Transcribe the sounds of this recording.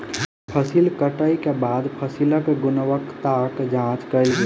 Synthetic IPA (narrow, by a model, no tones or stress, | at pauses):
pʰəsilkəʈəikebaːd̪pʰəsiləkɡʊnʋəkt̪akd͡ʒãːt͡ʃkəɪlɡə